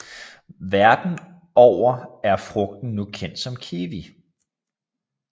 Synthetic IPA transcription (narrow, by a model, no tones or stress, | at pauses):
ʋæɐd̥n̩ | ɒʊ̰ɐæɐfʁɔ̽ɡ̥̚d̥n̩nukʰen̰d̥sɒ̽mkʰeːʋi